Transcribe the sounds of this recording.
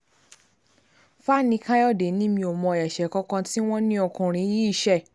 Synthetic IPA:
fa˦nĩ˧˦ka˦jɔ˦˨de˨˦nĩ˦mĩ˧o˨mɔ̃˧˨jɛ˨ʃɛ˨˦kɔ̃˦kã˧ti˦w̃ɔ̃˦nĩ˦ɔ˧kũ˧ɾ̃ĩ˧˦ji˦i˦˨ʃɛ˦˨

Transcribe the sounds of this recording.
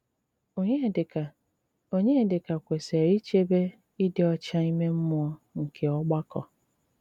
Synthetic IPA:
o˨ɲe˦˨dɪ˨ka˨ | o˦ɲe˦e˦dɪ˨ka˨kʷe˨se˨ɾi˦t͡ʃe˦be˦ | i˦dɪ˨ɔ˦t͡ʃa˦i˦me˦m̩˦mʊ˦ɔ˦ŋ̩˨kʰe˨ɔ˦ɡ͡ba˦kɔ̰˨

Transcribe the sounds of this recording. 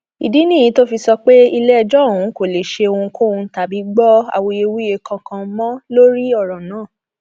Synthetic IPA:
ḭ˨di˨˦nĩ˦˨ĩ˨˦to˦fi˧sɔ˧k͡pe˦i˧lɛ˦˧˨d͡ʒɔ˦o˦˨w̃ũ˨˦ko˦˨le˨ʃe˧o˧ũ˧kõ˦˨ũ˧˦ta˨bi˨˦ɡ͡bɔ˦a̰˦˨wo˧je˧wu˦e˧kʰã˧kã˧mɔ̃˦lo˦ɾi˦ɔ˦˨ɾɔ̃˨nãː˦˨

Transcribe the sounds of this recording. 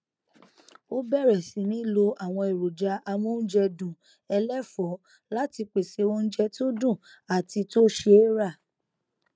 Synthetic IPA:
o˦bɛ˦˨ɾɛ˨si˨˦nĩ˨˦lo˧a˦˨w̃ɔ̃˧e˨ɾo˨d͡ʒa˧ʔa˧mũ˦n̩˦d͡ʒɛ˧dũ˨ | ɛ˧lɛ˦fɔ˨˦ | la˦ti˧k͡pe˨se˧o˦n̩˦d͡ʒɛ˦to˦dũ˦˨ | a˨ti˧to˦ʃe˧˦ɾa˦˨

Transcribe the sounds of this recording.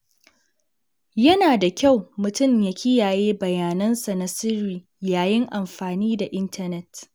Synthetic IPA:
jɐ˦naː˨da˨kʲa˦˨wmʊ˨tʊ˦˨mja˨˦kʲɪ˦jaː˨jeː˦bɐ˨jaː˨nɐ˦nsa˨na˦sɪ˦ɾiː˨ | jaː˨jɪ˦ŋʔa˨mɸaː˨niː˦da˨ʔɪ˦ntʰɐ˦nɛ˦t

